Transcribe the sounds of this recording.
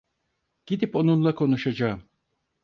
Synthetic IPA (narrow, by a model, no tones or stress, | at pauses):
ɟ̥id̪ipo̞nunlˠakʰo̞nuʃad͡ʒaːɯm